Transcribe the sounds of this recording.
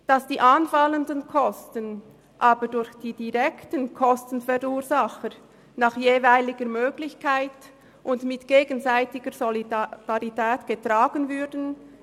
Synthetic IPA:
d̥ɑsd̥iːʔanfaləndənkʰɔstən | ʔaːbəɾdʊɾçd̥iːdiʁɛktənkʰɔstən̩fɛʁuːzaχəɾ | naχjeːvaɪlɪɡəɾmøːɡlɪçkʰaɪt | ʔʊntmɪtɡ̥eːɡənzaɪtɪɡəɾzid̥aʁitʰɛːtɡ̥ətʁ̥aːɡənvʏdən̩

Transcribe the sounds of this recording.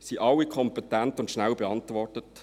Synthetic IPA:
siʔɑlːikʰɔmpɛtæntʊntʃnæwbeɑntʋɔrtət

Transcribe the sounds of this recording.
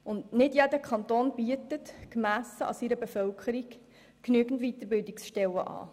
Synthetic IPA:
ʊndnɪdjedəkχɑnt̪oːnb̥iətətkmæːsəɑ̰siɾəbɛfœlkʰəɾik | knyəɡn̩tʋit̪əɾbɪldɪksʃtɛləʔɑ̰ː

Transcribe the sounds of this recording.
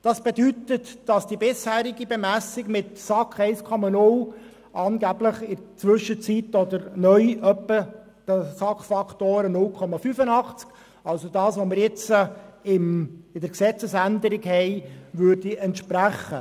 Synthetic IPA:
d̥ɑsb̥edytətd̥ɑsd̥ibɪshæːɾiɡibemæsɪɡmɪtsɑkχɛɪskʰɔmɑnʊl | ʔɑːnɡæb̥ləχɪt͡sʋʏʃːət͡sitɔdəɾnœʏʔœpːə | d̥əsɑkχfɑktoːɾənʊlkʰɔmɑfyfənɑχt͡sk | ɑlsodɑːsʋomɪɾjɪt͡səɪmɪdəɾksɛt͡səsænd̪əɾɪɡhɛɪʋʉːɾdiɛntʃpɾæχə

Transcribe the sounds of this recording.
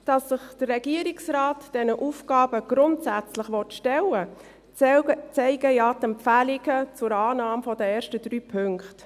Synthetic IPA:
d̥ɑsːəχd̥ərːɛɡiəɾɪksrɑːtd̥ɛnəʔuːfɡɑːb̥əɡ̥ɾʊntsæt͡slɪχʋɔtʃtɛlə | t͡sɛɪɡəjɑtɛmpfælɪɡət͡sʊɾɑːnɑːmfɔdəeːɾʃtədɾyːpʰʏŋkt

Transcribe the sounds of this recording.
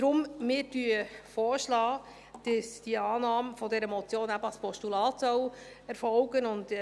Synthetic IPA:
d̥ɾʊmmɪːɾdyəfɔːɾʃlɑː | d̥əsd̥iəɑːnɑːmfɔdɛɾəmɔt͡sjoːnæbəɑspʰɔʃtulɑːtsœw | ɛɾfɔwɡənʊnd

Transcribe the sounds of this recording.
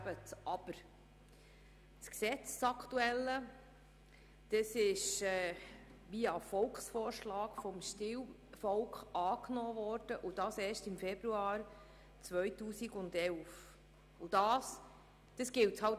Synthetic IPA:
bətɑb̥əɾ | t͡sksɛt͡ssɑkʰtuɛlːə | d̥əsɪʃɛːʋiɑfɔlkχsfɔːɾʃlɑːkfɔmʃtɪw | fɔlkχɑːknɔːvɔːɾd̥əʔud̥ɑːsɛːʃtɪmfɛb̥ɾuɑːɾ | t͡sʋœjtuːsiɡʊndɛlf | ʊd̥ɑːs | d̥əsɡ̥ɪlthɑl

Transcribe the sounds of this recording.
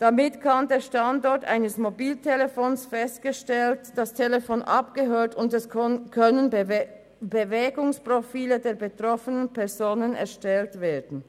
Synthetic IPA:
d̥amɪtkʰandeːɐʃtandɔɐtʔa̰ɪnəsmobiːltʰelefoːnsfɛst̚ɡ̥əʃtɛltd̥astʰeləfoːnʔa̰pɡ̥əɦøːɐtʊndɛskʰœnən | bəvɛːɡʊŋspʁ̥ofiːlədeːɐbətʁ̥ɔfənənpɛɐzoːnənɛ̰ɐʃtɛltv̥eːɐdn̩

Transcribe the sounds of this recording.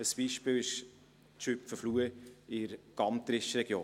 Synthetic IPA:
əsb̥iːʃpɪːwɪʃ | tʃøpfəfluəɪɾɡ̥ɑmt̪ɾɪʃəɾɛɡ̥joː

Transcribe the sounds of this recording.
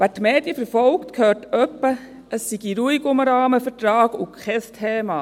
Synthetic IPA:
ʋætmeːd̥jəfɛɾfɔlktkʰhøːtœpːə | əsːiɡiɾuiɡʊməɾɑːməfətɾɑːɡʊkʰχɛstʰeːmɑː

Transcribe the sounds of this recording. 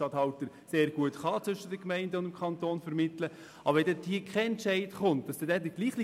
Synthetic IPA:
ɑthɑltəɾ | seːɾɡ̥uətχɑːt͡sʋʏʃədəkmɛɪndəʊndəmkʰɑntoːnfəɾmɪtlə | ʔɑbəɾɛdɛthiːəkχɛɛntt͡ʃɛɪdχʊnt̚d̥ɑsd̥ɛdɛːdəɡ̥liːχli

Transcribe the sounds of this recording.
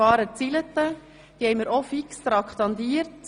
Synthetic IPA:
ɑːɾət͡silət̪ə | d̥ihɛɪməɾʔɔfikst̪ɾɑkʰt̪ɑnd̪iːəɾt

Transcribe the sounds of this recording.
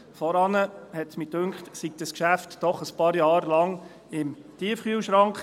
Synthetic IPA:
fɔɾɑnəhɛtsmid̥ɵŋkχtsik̚d̥əskʃæftd̥ɔχəspɑːɾjɑːɾlɑŋ | ɪm | tiəfχyəwʃɾɑŋkχ

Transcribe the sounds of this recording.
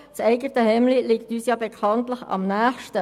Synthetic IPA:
t͡sɛɪɡətəhɛmliliktyːsjɑːbekʰɑntləχɑ̰mnæːχʃtə

